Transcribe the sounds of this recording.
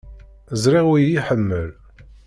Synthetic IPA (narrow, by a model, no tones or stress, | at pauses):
əzɾiʁʊjiħəmːəl